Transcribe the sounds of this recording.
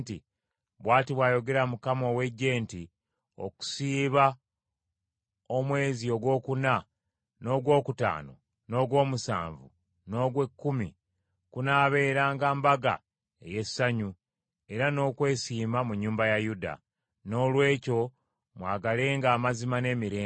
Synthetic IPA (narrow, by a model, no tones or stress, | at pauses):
tḭ | βwaːtiβwaːjo̞ɡe̞ɾamukamo̞ːwe̞ɟːe̞ːnti | o̰ku̥siːβa | o̞mwe̞ːzio̞ɡwo̞ːkuna | no̞ːɡwo̞ːkuta̰ːno̞̰ | no̞ːɡwo̞ːmusa̰ːɱvṵ | no̞ːɡwe̞kːumi | kunaːβe̞ːɾaːŋɡaːmbaɡa̰ | ḛjesːaɲu | e̞ɾano̞ːkwe̞ːsiːmamuɲːuːmbajajuda̰ | no̞ːlwe̞ːco̞ | mwaːɡale̞ːŋɡaːmazimane̞ːmiɾeː